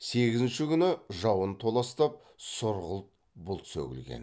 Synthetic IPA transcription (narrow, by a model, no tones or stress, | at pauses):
se̞ɡʲɪzɪnʃɪkʲʰʏnɪʒɑwənt̪ʰo̞lˠɑst̪ɑp̚ | sʊɾʁəlˠt̪̚ | bʊlˠt̪sɵ̰kʲɪ̰lɡʲḛn